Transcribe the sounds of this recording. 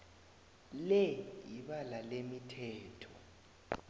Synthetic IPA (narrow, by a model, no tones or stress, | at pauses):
lɛjiɓalalemitʰɛːtʰɔ